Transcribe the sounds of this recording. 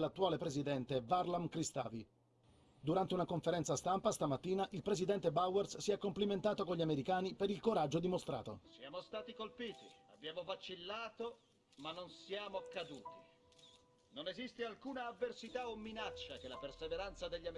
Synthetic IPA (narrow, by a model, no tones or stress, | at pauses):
lat̪ːuaːlepɾezid̪ɛnt̪evarlamkɾist̪a̰ːvi | d̪uɾant̪eunakoɱfeɾɛnt̪sast̪ampast̪amat̪ːiːnaʔilpɾezid̪ɛnt̪ebawerssiɛkːompliment̪aːt̪okoɲʎiameɾikaːnipeɾilkoɾad͡ʒːod̪imost̪ɾa̰ːt̪o̰sjaːmost̪aːt̪ikolpiːt̪ia̰bjaːmovat͡ʃilːaːt̪o | manːonsjaːmokad̪uːt̪i | nonezist̪ealkuːnaːvːersit̪aomːinat͡ʃːakelaperseveɾant̪sad̪eʎːa